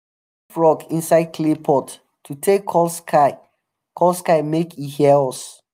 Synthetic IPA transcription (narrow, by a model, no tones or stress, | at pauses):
fɹɔkĩnsaɪd̚kʰlepʰɔt | tʰːutʰekʰːɔlskʰaɪ | kʰɔlskaɪmekihɛlɔs